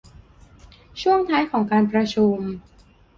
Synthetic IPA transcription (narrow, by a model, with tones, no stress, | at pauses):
t͡ɕʰu˥˩əŋt̪ʰaː˦˥jkʰɔː˩˦ŋkaː˧npɾa˧t͡ɕʰu˧m